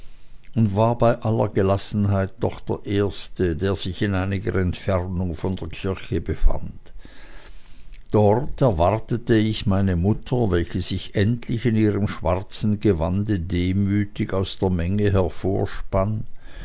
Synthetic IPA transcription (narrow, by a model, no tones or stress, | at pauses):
ʔʊntv̥aːɐbaɪʔalɐ̰ɡəlasn̩ɦaɪt̚dɔχd̥eːɐʔeːɐstədeːɐz̥ɪçɪnaɪnɪɡə̰ɛntfɛʁnʊŋfɔndeːɐkʰɪɐçəbəfa̰nt | d̥ɔʁtɛɐvaʁtətəɪçmaɪnəmʊtʰɐvɛlçəz̥ɪçʔɛntʰlɪçɪniːʁ̞əmʃv̥aʁt͡sn̩ɡəvandədeːmyːtɪçaʊsd̥eːɐmɛŋəɦɛɐfoːɐʃpan